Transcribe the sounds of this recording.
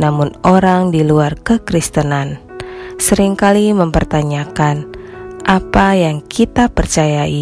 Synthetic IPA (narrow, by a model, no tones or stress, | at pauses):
namʊnoɾaŋdiluarkəkɾist̪ənansəɾiŋkaliməmpərt̪aɲakanʔapajaŋkʰit̪apərt͡ʃajai